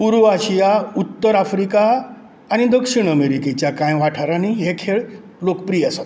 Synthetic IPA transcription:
puɾuaɕijaut̪ːəɾafɾikaː | ñid̪əkʂiɳ̃əmeɾiket͡ɕjakãjʋaʈʰaɾaniɦekʰeɭ | lokpɾijasat̪

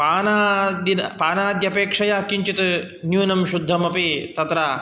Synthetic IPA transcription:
paːnaːd̪inɐpaːnaːd̪jɐpeːkʂɐjaːkːiɲt͡ʃit̪ɨ | njuːnɐmʃud̪ʱːɐmɐpit̪ɐt̪ɾaː

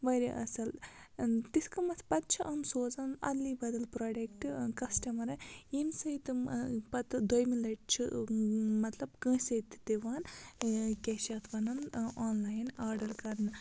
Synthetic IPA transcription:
ʋɐɾʲḭʔɐ̰sɐl | t̪iskɐmɐt̪ʰpɐt̪̚t͡ʃʰiʔɐnsoːzɐnɐ̰d̪liːbɐd̪ɐlpɾoːɖekʈkɐsʈɐmɐɾɐimsɐjit̪pɐt̪d̪ojmilɐʈ̚t͡ʃʰi | mɐt̪lɐbkə̃ːsɐt̪ʰːt̪iʋaːn | kʲeːʃat̪ʰʋɐnɐnoːnlaːjnaːɾɖɐɾkɐɾnɨ

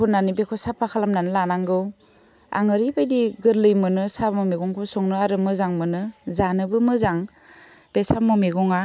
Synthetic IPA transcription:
ɔnanibekʰɔsapʰakʰalamnanɯlanaŋɡɯw | a̰ŋɯɾibajdiɡɯɾlɯjmɯnɯsabmɔmeɡɔŋkʰɔsɔŋnɯaɾɯmɯzaŋmɯnɯzanɯbɯmɯzaŋ | b̥esabmɔmiɡɔŋa

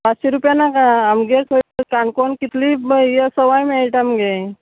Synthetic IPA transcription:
pat͡sɕiɾupjanakaamɡekʰokaɳkonkit̪libjəsəʋajmiʈamɡe

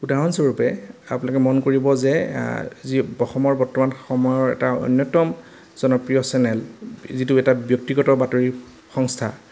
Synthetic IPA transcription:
udaɦɔnsoɹupɛa̰punalɔkɛmɔnkoɹibɔzɛ | zibɔxɔmɔɹbɔɹtɔmanxɔmɔjɔɹɛ̰taɔ̰jnjɔtɔm | z̥ɔnɔpɹijɔsɛnɛlzituɛtabjɔk̚tiɡɔtɔbatoɹi | xɔŋstʰa̰

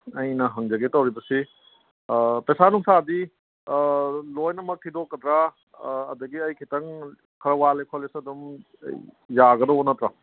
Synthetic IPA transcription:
ɐjnɐɦɐŋd͡ʒɐɡetɐwɾibɐsi | pesanuŋsadi | lojnɐmɐk̚tʰidokːɐdɾa̰ː | dɐɡiɐjkʰitɐŋ | kʰɐɾɐwalekʰolesɐdum̰ | jaɡɐdɐonɐtɾɐ

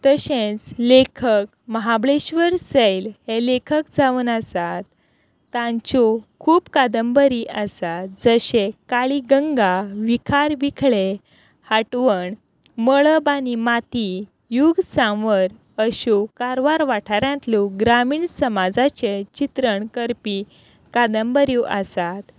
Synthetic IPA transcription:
t̪əɕẽt͡slekʰək̚ | məɦabɭeɕʋəɾsəjlhelekʰəkd͡zaʋuːnasat̪ː | ãɲt͡ɕokʰuːpkad̪əmbəɾiʔəsat̪d͡zəɕekaɭiɡəŋɡaʋikʰaɾʋikʰɭe | haʈʋəɳ | məɭəbanimat̪i | juɡsãʋəɾ | əɕukaɾʋaɾʋaʈʰaɾjãnt̪luɡɾamiːɳsəmad͡zat͡ɕet͡ɕit̪ɾəɳkəɾpi | kad̪əmbəɾjuʔasat̪

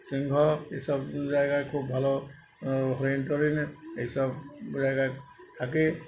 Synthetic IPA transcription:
siŋɡʱɔesɔb̚zajɡajkʰubbʱalɔ | ɦɔɹintɔɹinejsɔbzajkajt̪ʰak̬e

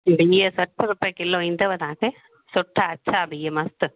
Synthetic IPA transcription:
bijɐsɐʈːɐɾɯpːɐkːɪlːoːɪnd̪ɐʋɐt̪aːkɯ | sʊʈːaːt͡ʃʰːaːbijɐmɐst̪ɯ

